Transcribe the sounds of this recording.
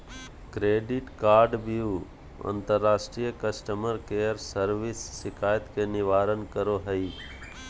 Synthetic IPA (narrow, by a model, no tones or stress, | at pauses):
kɾeːɖɪʈkaːɾɖbiju | ɐ̰̃nt̪əɾːaːsʈɾijəkəsʈəməɾkeːjəɾsəɾʋɪsːɪkʰaːjət̪kenɪʋaːɾənkəɾoɦəiː